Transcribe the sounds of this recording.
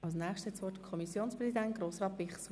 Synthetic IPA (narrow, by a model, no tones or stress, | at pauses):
ɑlsnæːχʃtɛt͡sʋɔtəkʰɔmisjoːnspʁɛsidɛnt̚ɡ̥ɾoːsʁɑːtbɪχs